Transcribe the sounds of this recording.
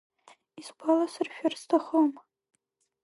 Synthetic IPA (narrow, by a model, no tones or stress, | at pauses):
isɡʷalasɨrʃᶣarstʰaχom